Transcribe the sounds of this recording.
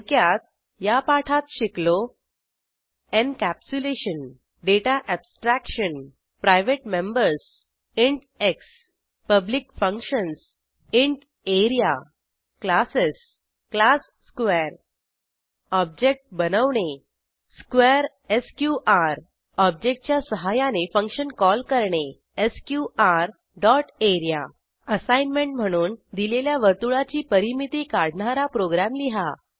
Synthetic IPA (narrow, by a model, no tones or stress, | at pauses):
kjat̪̚ | japaʈʰat̪ɕiklo | ẽɳkæp̚t͡ɕuleɕən | ɖeʈaʔɛbsʈɾækɕən | pɾajʋeʈmẽmbəɾs | iɳʈ | eks | pəblikfə̃ŋkɕəns | ĩɳʈ | eɾija | klases | klasːkʋɛɾ | ɔb̚d͡ʑek̚ʈ̚bənəʋɳe | skʋeɾ | eskjuʔaɾ | ɔb̚d͡ʑek̚ʈ̚t͡ɕjasəɦajanefə̃ŋkɕənkɔlkəɾɳe | eskjuʔaɾ | ɖɔʈeɾja̰ | əsajnmeɳʈm̤əɽ̃uːnd̪ileljaʋəɾt̪uɭat͡ɕiːpəɾimit̪iːkaɽ̤ɳaɾapɾoɡɾamliɦa